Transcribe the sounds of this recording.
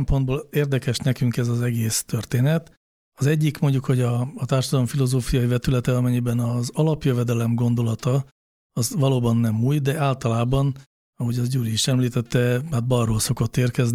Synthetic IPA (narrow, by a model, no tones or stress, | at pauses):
mpond̪̚boːleːrd̪ɛkɛʃnɛkyŋkɛzɒzɛɡeːst̪ørt̪eːnɛt̪ | ɒzɛɟːikmo̞ɲɟukho̞ɟɒːt̪aːrʃɒd̪ɒloɱfilo̞zoːfijɒjivɛt̪ylɛt̪ɛɒmɛɲːibɛnɒzɒlɒpjøvɛd̪ɛlɛmɡo̞nd̪o̞lɒt̪ɒ | ɒzʋɒloːbɒnːɛmuːjd̪ɛaːlt̪ɒlaːbɒn | ɒɦo̞ɟɒzɟuːliːʃɛmliːt̪ɛt̪ːɛhaːt̪̚bɒroːlso̞ko̞t̪ːeːrkɛzni